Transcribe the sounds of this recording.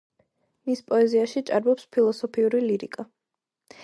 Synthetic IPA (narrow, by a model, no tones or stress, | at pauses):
mispʼɔɛziaʃit͡ʃʼaɾbɔpspʰilˠɔsɔpʰiuɾiliɾḭkʼa